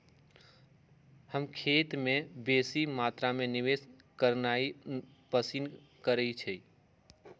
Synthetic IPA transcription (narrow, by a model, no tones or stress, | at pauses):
həmkʰeːt̪mẽbeːsimaːt̪ɾamẽnɪʋes | kəɾnai | pəsin | kəɾəit͡ʃʰɛ